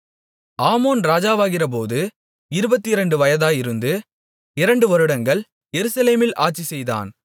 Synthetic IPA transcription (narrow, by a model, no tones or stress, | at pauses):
aːmoːnɾaːd͡ʒaːʋaːɣɪrɐp̬oːðɯ | ɪɾɯbɐt̪ːiɪɾɐɳɖɯʋɐjɐðaːjɪɾɯnd̪ɯ | ɪɾɐɳɖɯʋɔɾɯɽɐŋɡɐɭ | jɛɾɯsɐleːmɪlʔa̰ːʈ̚t͡ʃisɛjða̰ːn